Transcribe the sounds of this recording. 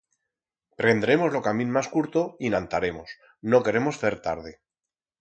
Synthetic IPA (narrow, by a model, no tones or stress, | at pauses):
pɾe̞nd̪ɾe̞mo̞zlo̞kamĩnmaskuɾt̪oinãnt̪aɾe̞mo̞s | no̞ke̞ɾe̞mo̞sθe̞ɾt̪aɾð̞e